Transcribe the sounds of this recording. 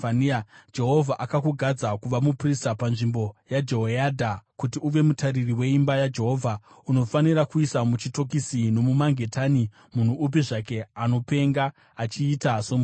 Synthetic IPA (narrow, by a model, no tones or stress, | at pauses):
and͡ʒe̞ɦo̞vʱaʔakakuɡʱad͡zakuʋamupristapanʐimbo̞jad͡ʒeɦoadʱakutiuʋe̞mutaririwe̞imbajad͡ʒe̞ɦo̞ːvʱa | uno̞fanirakuisamut͡ʃito̞k̬isino̞mumaŋɡe̞tani | mun̤uʔːp̬iʐake̞ano̞pe̞ŋɡaː | t͡ʃiːtasomu